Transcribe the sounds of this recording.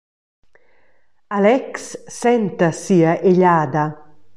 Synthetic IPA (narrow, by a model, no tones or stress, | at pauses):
alɛksːɛnt̪asiːaʔeʎaːd̪a